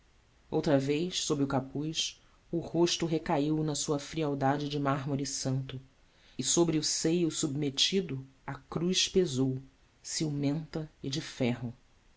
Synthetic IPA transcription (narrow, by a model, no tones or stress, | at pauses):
owt̪ɾɐvejʃsobɾɪʊkapujʃ | ʊhoʃt̪ʊɦekaiwnɐsuɐfɾiawd̪ad͡ʒɪd͡ʒɪmaɦmoɾɪsɐ̃nt̪ʊ | ɪsobɾɪʊsejʊsubmet͡ʃid̪ʊakɾujʃpezow | siwmẽnt̪ɐɪd͡ʒɪfɛɦʊ